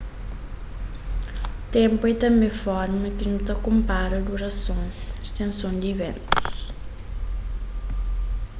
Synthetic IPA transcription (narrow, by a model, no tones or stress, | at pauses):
t̪ẽmpʊɛt̪ɐ̃mbẽfɔɾmɐkɪnũt̪ɐkõmpaɾɐd̪uɾɐsõŋist̪ẽnsõnd̪ivḛ̃nt̪u̥s